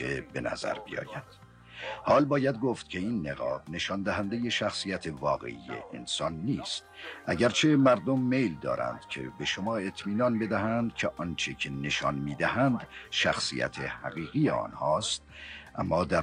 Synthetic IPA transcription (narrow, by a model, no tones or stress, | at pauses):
ḛbe̞næ̰zæ̰ɾbijɒ̰ːjæd̪̥ | hɒːlbɒːjæd̪ɡoːft̪̚cʰe̞iːnːe̞ɣɒ̰ːbne̞ʃɒnd̪æɦænd̪eje̞ʃæxsijæt̪ʰevɒːɣḛʔijḛʔːnsɒːnːiːst̪ʔæɟæɾt͡ʃʰe̞mæɾd̪omːe̞jld̪ɒ̰ːɾæ̰nd̪̥cʰḛbe̞ʃomɒːe̞t̪ʰmiːnɒnbe̞d̪æɦænd̪cʲʰeʔɒnt͡ʃʰecʰe̞ne̞ʃɒnmiːd̪æɦænd̪ʃæxsḭjæ̰t̪ʰehæ̰ɣiːɣijḛɒ̰ːnhɒːst̪̚ʔæmːɒːd̪æ